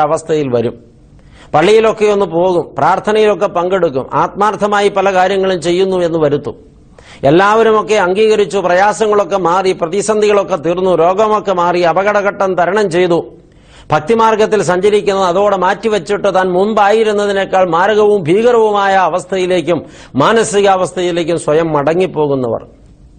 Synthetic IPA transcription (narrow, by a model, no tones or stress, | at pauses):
ɐʋɐst̪ʰɐjilʋɐɾṵm | pɐɭːijilo̞kːe̞onːupo̞ːɣumpraːrt̪ʰɐnɐjilo̞kːe̞pɐŋɡe̞ɽuk̬ːṵma̰ːt̪̚maːrt̪ʰɐmaːjipɐlɐkaːɾjɐŋːɐɭumt͡ɕe̞jːunːue̞nːuʋɐɾut̪ːu | e̞lːaːʋɐɾumo̞kːe̞ɐŋɡiːɣɐɾit͡ɕːuprɐjaːsɐŋːɐɭo̞kːe̞maːriprɐðisɐnd̪ʱiɣɐɭo̞kːe̞t̪irnːuɾo̞ːɡɐmo̞kːe̞maːriɐbɐɣɐɽɐɣɐʈːɐnt̪ɐɾɐɳɐmt͡ɕe̞jt̪u | b̥ʱɐk̚t̪imaːrɡɐt̪ːilsɐɲd͡ʑɐɾikʲːunːɐðɐðo̞ːɽemaːtːiʋɐt͡ɕːiʈːɨt̪aːnmunbaːjiɾunːɐðine̞kːaːɭmaːɾɐɣɐʋumbʱiːɣɐɾɐʋumaːjɐːʋɐst̪ʰɐjile̞ːkʲːumː | aːnɐsiɣɐːʋɐst̪ʰɐjile̞ːk̬ʲːumswɐjɐmːɐɽɐŋːipːo̞ːɣunːɐ̰ʋɐ̰r